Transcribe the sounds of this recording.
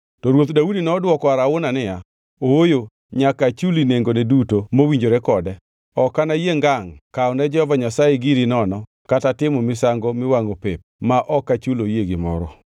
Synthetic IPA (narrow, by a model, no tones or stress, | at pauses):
tɔɾwot̪daudinɛːdwɔkɔaɾaʊnanɪja | owojo | ɲakat͡ʃulineŋɡonɛdutomowiɲd͡ʒoɾɛkɔdɛ | ɔkanajeŋɡaŋkaɔnɛd͡ʒɛhɔvaɲasajeɡiɾinɔnɔ | katatɪmɔmɪsaŋɡomɪwaŋopep̚maʔɔkat͡ʃulojeɡɪmɔ̰ɾɔ̰